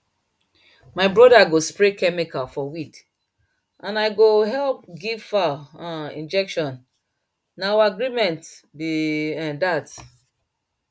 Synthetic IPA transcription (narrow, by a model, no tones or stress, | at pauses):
maɪbɹɔdaɡospɹekɛmikalfɔwik | ʔãnaɪɡoɦɛlp̚ɡiv̥faãḭ̃nd͡ʒɛkʃɔ̃nː | aawaaɡɹimɛ̃ntbiɛ̃dat